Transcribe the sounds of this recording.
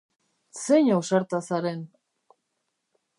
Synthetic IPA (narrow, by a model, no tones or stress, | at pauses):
seɲawsaɾt̪asaɾen